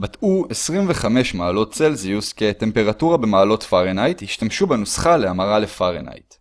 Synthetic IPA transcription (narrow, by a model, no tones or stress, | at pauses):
batuesʁimveχame̞ʃmaːlo̞ttt͡selziuske̞te̞mpe̞ʁatuʁabe̞maːlo̞tfaʁenajthiʃtamʃubenusχaleamaʁale̞faʁḛna̰jt